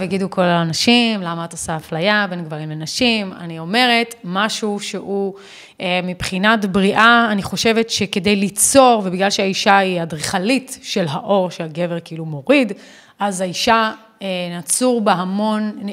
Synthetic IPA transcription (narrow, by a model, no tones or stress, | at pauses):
veɡidukʰo̞laːnaʃimlamaːtosaːflajabe̞nɡvaʁimlenaʃima̰nio̞me̞ʁe̞tmaʃuʃeu | emipχinatbʁiʔaːniχo̞ʃe̞vetʃeke̞dejlit͡so̞ʁvebiɡlalʃeaiʃaiadʁiχalitʃe̞lɦaʔo̞ʁʃeaɡe̞veʁkiilumo̞ʁid | ʔazaiʃa | enat͡suʁbeɦamo̞n